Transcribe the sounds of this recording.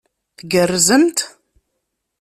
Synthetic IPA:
θɡərːzəmt̪

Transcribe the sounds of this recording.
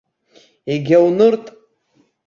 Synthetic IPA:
eɡʲawnɨrtʼ

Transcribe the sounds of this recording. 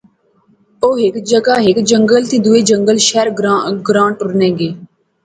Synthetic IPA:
oːɦɪkd͡ʒəɡaːɦɪkd͡ʒəŋɡəlt̪ĩːd̪ueːd͡ʒəŋɡəlʃɛːɾɡɾãːɳʈʊɾnɛ̃ːɡeː

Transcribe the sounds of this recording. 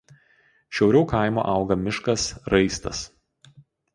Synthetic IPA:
ʃʲɛʊɾʲɛʊkɐˑɪmo̰ːʔɑˑʊɡɐmʲɪʃkɐsɾɐɪst̪ɐ̰s

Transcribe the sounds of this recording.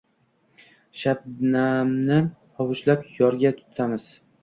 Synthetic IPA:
ʃab̚namnɪ | ɒwʊʃlapjɒɾɡʲat̪ʰʊ̥t̪ʰamɪz̥

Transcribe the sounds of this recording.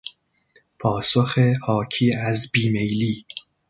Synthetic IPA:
pʰɒːsoxehɒːcʰiːæzbiːmejliː

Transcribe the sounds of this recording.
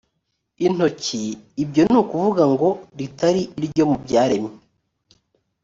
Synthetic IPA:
in̥o̞ciːbɟo̞nuːkuvuɡaŋɡo̞ɾitaɾiʔːɾɟo̞mubɟaːɾe̞mɲe

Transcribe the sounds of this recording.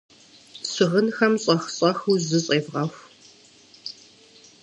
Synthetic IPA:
ɕɪʁənxɐmɕʼɐxɕʼɐxuzɨɕʼeːvʁɐxʷ

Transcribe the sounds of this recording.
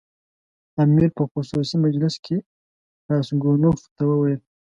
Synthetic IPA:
amiɾpəxʊsusimad͡ʒlɪskʰe | ɾɑsɡonoft̪awəwajl

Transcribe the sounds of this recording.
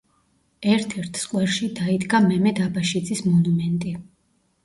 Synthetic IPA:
ɛɾt̪ʰɛɾt̪ʰsqʼwɛɾʃid̪aid̪ɡamɛmɛd̪abaʃid̪zismɔnumɛnt̪ʼi

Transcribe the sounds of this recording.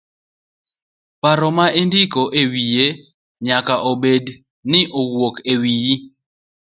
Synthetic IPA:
paɾɔmaendikoʔewije | ɲakaʔobed | nɪʔowwokewiji

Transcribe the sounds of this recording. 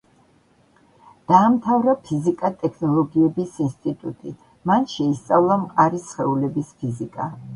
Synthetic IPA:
d̪̥aːmt̪ʰavɾapʰizikʼat̪ʼɛkʰnɔlˠɔɡiɛbisinst̪ʼit̪ʼut̪ʼi | manʃɛist̪sʼavlˠamqʼaɾisχɛulɛbispʰizikʼa

